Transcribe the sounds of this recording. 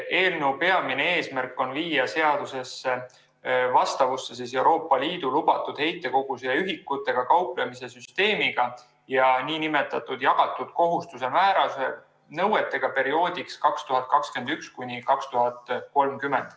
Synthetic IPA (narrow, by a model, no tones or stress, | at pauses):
e̞ːlneupe̞ɑmine̞e̞ːsmærkːˑo̞nviːjɑse̞ɑd̪̥use̞sːe | vɑst̪ɑvusːe̞s̬is̬e̞wɾo̞ːpˑːɑliːd̪̥ulub̥ɑt̪ːˑud̪̥he̞jt̪ːˑe̞ko̞ɡ̥usejɑyɦikːˑut̪ːˑe̞ɡ̥ɑkɑwplemise̞syst̪e̞ːmiɡ̥ɑ | jɑniːnime̞t̪ːˑɑt̪ːˑud̪̥jɑɡ̥ɑt̪ːˑud̪̥ko̞ɦust̪use̞mæːɾɑse | nɤwe̞t̪ːˑe̞ɡ̥ɑpe̞ɾio̞ːd̪̥ʲikskɑkst̪uɦɑt̪̚kɑkske̞nd̪ykskunʲikɑkst̪uɦɑt̪ko̞lmkyme̞nd̪̥